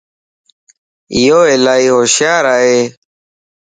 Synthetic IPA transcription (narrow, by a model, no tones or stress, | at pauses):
joːeːlaːiːɦoːʃjaːɾaːɦeː